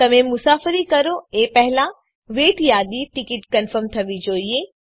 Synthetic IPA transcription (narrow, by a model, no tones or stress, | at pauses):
t̪ɐmẽmʊsaːfɾikɐɾoeːpɛɦla | ʋeːʈjaːd̪iʈɪkɪʈkɐnfəɾmt̪ʰɐʋid͡ʒoːieː